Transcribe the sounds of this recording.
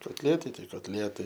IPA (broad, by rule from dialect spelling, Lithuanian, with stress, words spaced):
koːtʲˈlʲiɛtɐɪ ˈtɐɪ koːtʲˈlʲiɛtɐɪ